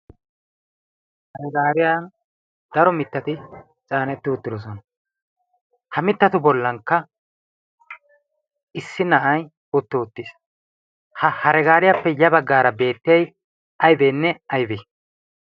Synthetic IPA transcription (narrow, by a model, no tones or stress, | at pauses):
hɐɾɛɡaːɾɪjan | d̪̥ɐɾɔmɪt̪ːɐt̪ɪ | t͡sʼaːnɛt̪ːɪʊt̪ːɪd̪ɔsɔnɐ | hɐmɪt̪ːɐt̪ʊbɔlːɐŋkːɐ | ɪsːɪnɐʔɐj | ʊt̪ːɔʊt̪ːis | hɐhɐɾɛɡaːɾɪjapːɛjɐbɐɡːaːɾɐbe̞ːt̪ːɪjɐj | ʔɐjbeːnːɛɐjbi